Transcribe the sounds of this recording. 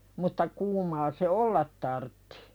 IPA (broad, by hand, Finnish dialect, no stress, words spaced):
mutːɑ kuːmɑː se olːɑt tɑrtːi̥